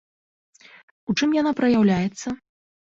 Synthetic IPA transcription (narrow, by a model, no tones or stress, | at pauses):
ut͡ʂɨmjanapɾɐjawlʲajɛt̪sːɐ